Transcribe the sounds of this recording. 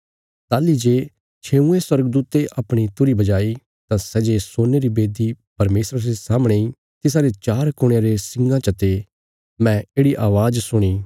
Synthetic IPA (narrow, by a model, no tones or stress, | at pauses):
t̪aːlid͡ʒeː | t͡ʃʰeːũẽswɐɾəɡəd̪uːt̪eʔɐpɽ̃it̪ʊɾibɐd͡ʒaːi | t̪ãsɛːd͡ʒesoːneɾibeːd̪ipɐɾmeːsɾasesaːmɽ̃ei | t̪ɪsaːɾet͡ʃaːɾkʊɽ̃jaɾesɪ̃ŋɡãt͡ʃɐt̪e | mɛ̃eːɽiʔaːʋaːd͡ʒsʊɽ̃iː